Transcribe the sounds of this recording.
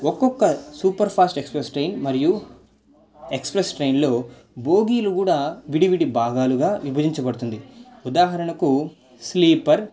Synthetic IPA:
ɔkːɔkːɐsuːpɐɾpʰaːsʈe̞kspɾesʈɾejnmɐɾiju | e̞kspɾesʈɾejnlo̞ː | boːɡiːlukuːɽaːʋiɽiʋiɽibʱaːɡaːluɡaːʋibʱɐd͡ʒ̪iɲt͡ʃɐbɐɽut̪und̪iud̪aːɦɐɾɐɳɐku | sliːpɐɾ

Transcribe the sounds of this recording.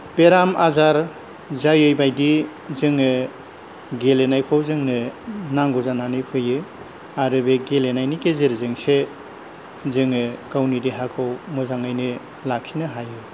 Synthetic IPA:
b̥eɾamazaɾ | zajɯjbajdi | zɯŋɯ | ɡelenajkʰowzɯŋnɯnaŋɡɔzananipʰɯjɯ | aɾɯbeɡelenajnikezeɾzɯŋse | zɯŋɯkawnidiɦakʰowmɯzaŋajnɯ | lak̚sinɯɦajɯ

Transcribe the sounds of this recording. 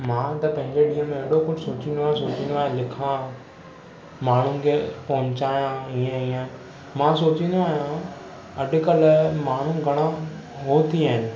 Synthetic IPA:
mãːt̪ɐpɐ̃ɦɪ̃ɲd͡ʑeɗiːə̃mẽɐɗokʊd͡ʒsoːt͡ɕĩnd̪oaːɦẽsoːt͡ɕĩnd̪oaːɦẽlɪkʰã | maːɳ̤ũkʰepɐɦʊ̃ɲt͡ɕaːjãiẽiːə̃ | mãːsoːt͡ɕĩnd̪oaːɦijã | ɐɖ̆kɐlmaːɳ̤ũɡʱɐɽ̃ãɦoːt̪ʰiaːɦɪnɪ̆

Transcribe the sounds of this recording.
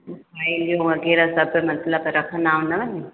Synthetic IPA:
ailijõʋɐɣɛːɾasɐbmɐt̪ləbɾɐkʰə̃naːũnɐʋɐni

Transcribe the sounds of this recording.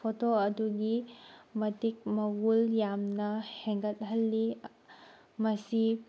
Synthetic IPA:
otoɐduɡimɐtik̚mɐɡuljamnɐhɛŋɡət̪̚ɦɐlːi | mɐsi

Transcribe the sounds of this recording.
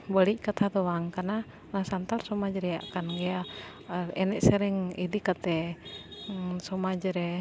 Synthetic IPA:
bəliʔkat̪ʰat̪ɔwaŋkana | nasant̪arsɔmad͡ʒɾɛja̰ʔkanɡɛa | ɛnɛʔsɛɾɛŋidikat̪ɛ | sɔmad͡ʒəɾɛ

